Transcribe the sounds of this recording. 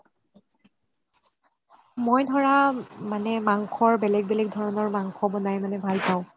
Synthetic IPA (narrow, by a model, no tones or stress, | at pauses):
mojdʱɔɹamanɛmaŋkʰɔɹbɛlɛɡ̚bɛlɛɡdʱɔɹɔnɔɹmaŋkʰɔbɔnajmanɛbʱalpaʊ̃